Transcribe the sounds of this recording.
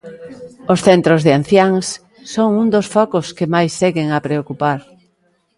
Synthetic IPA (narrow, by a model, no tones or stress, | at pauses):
osθɛnt̪ɾozðean̟θjaŋsː | oŋund̪osfɔkʊskɪmajsːeɣeŋapɾeokupaɾ